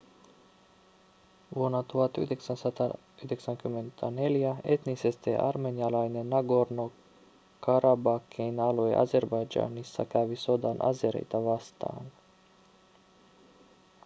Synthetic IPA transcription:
vɔnat̪uat̪ṵd̪ʲeksansat̪a | id̪eksaŋkyment̪ʰanelijaet̪nisest̪ḛʔa̰ɾmenijalajnenaɡoɾno | kaɾabakːinaloj̰ʔa̰zeɾbajd͡ʒa̰ːnisːa̰kævisod̪anʔa̰zeɾḛjt̪avast̪a̰ːn

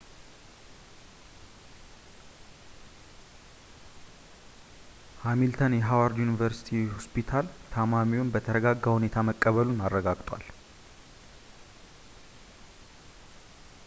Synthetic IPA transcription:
hamilt̪ʰənjɛɦawaɾd̪junivəɾsi̥t̪ʰihospʰit̪ʰalt̪ʰamamiwonbət̪ʰəɾəɡaɡːahunet̪ʰaməkʼːəβəlunarːəɡaɡt̪ʼwa̰l

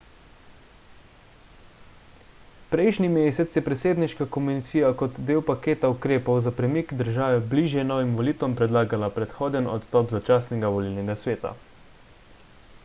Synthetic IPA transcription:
pɾɛjʃnimeːsɛt̪sjɛpɾɛseːd̪niʃkakɔmunit̪siːjakɔt̪d̪eːwpakeːt̪aukɾeːpɔwzapɾɛmikd̪əɾʒaːʋɛbliːʒjɛnɔːʋimʋɔliːt̪ʋɔmpɾɛd̪laːɡalapɾɛt̪xoːd̪ɛnɔ̰t̪st̪ɔːpzat͡ʃaːsnɛɡaʋɔlilnɛɡasʋeːt̪a̰

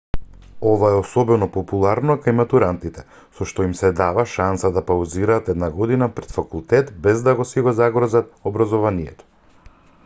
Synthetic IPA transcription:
ɔvaɛɔsɔbɛnɔpɔpulˠaɾnɔkajmat̪uɾant̪it̪ɛ | sɔʃt̪ɔimsɛd̪avaʃansad̪apawziɾaːt̪ɛd̪naɡɔd̪inapɾɛt̪fakulˠt̪ɛt̪bɛzd̪aɡɔsiɡɔzaɡɾɔzat̪obɾazɔvanijɛ̰t̪ɔ̥

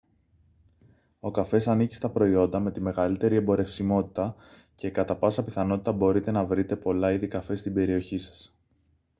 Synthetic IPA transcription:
o̞kɐfe̞sɐnici̥st̪ɐpɾo̞io̞nd̪ɐme̞t̪ime̞ɣɐlit̪e̞ɾie̞mbo̞ɾe̞fsimo̞t̪i̥t̪ɐ | ce̞kɐt̪ɐpɐsɐpiθɐno̞t̪it̪ɐbo̞ɾit̪e̞nɐvɾit̪e̞po̞lɐiðikɐfe̞st̪ibe̞ɾio̞çisɐ̥s

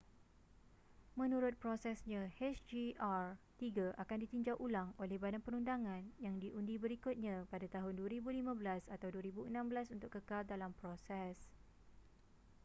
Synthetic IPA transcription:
mə̃nũɾʊt̪̚pɾosɛsɲãhɛt͡ʃd͡ʒiʔart̪iɡaʔakandit̪iɲd͡ʒawʔulaŋolɛhbadanpəɾundaŋãnjaŋdiʔundibəɾikʊt̪̚ɲãpadat̪aɦʊnduəɾibulimãbəlasat̪awduəɾibuənãmbəlasunt̪ʊkːəkaldalampɾosɛs

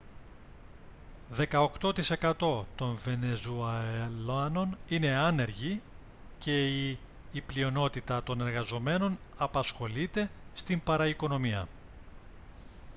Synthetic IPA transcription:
ðe̞kɐo̞kt̪o̞t̪ise̞kɐt̪o̞t̪o̞ɱve̞ne̞zuɐlɐno̞nine̞ɐne̞ɾʝi | ce̞iː | plio̞no̞t̪it̪ɐt̪o̞ne̞ɾɣɐzo̞me̞no̞nɐpɐsxo̞lit̪e̞st̪impɐɾɐiko̞no̞miɐ̰

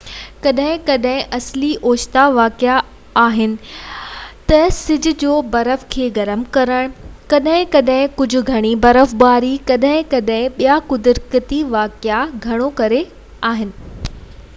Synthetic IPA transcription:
kɐɗɦɪ̃kɐɗɦɪ̃ʔɐsliʔoːʃt̪aʋaːkja | aːɦɪnɪ̆ | t̪ɐsɪd͡ʑʱʊ̆d͡ʑoːbɐɾəfkʰeːɡɐɾəmkɐɾəɽ̃kɐɗɦɪ̃kɐɗɦɪ̃kʊd͡ʑʱʊ̆ɡʱɐɽ̃ibɐɾəfbaːɾikɐɗɦɪ̃kɐɗɦɪ̃ɓijakʊd̪ɾkɪt̪iʋaːkɪaɡʱɐɽ̃okɐɾe | aːɦɪnɪ̆

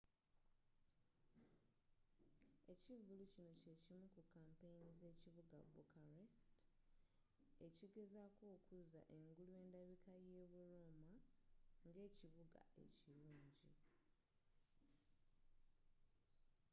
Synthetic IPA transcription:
e̞civulucino̞ce̞cimukukaːmpejinize̞ːciβuɡa̰bukʰaɾest | e̞ciɡe̞zako̞ːkuza̰ʔe̞ŋɡuluwe̞ːndaβikaje̞ːβuɾuːmaŋɡe̞ːciβuɡa̰e̞̰ciluːɲɟḭ

